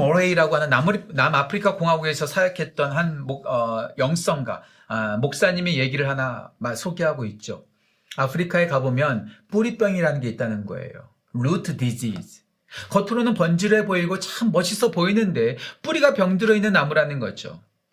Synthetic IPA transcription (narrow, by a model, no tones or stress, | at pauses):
oɾeiɾaɡoɦanɯnːamuɾnamapʰɯɾikʰakoŋɦaɡue̞sʰʌsʰajakʰe̞t̚t͈ʌnɦanmoʌjʌŋs͈ʌŋɡwa̰ | mok̚s͈aɲime̞je̞ɡiɾɯɭhanamasʰoɡeɦaɡoit̚t͡ɕ͈o | apʰɯɾikʰae̞kabomjʌnp͈uɾip͈jʌŋiɾanɯnɡe̞it̚t͈anɯnɡʌ̰e̞̰jo̰ | ɾutʰɯdid͡ʑis | kʌtʰɯɾonɯnpʌnd͡ʑiɾeboiɡot͡ɕaɯmːʌɕʰisʰʌpoinɯnde̞p͈uɾiɡapjʌŋdɯɾʌinːɯnːamuɾanɯnɡʌd͡ʑo̰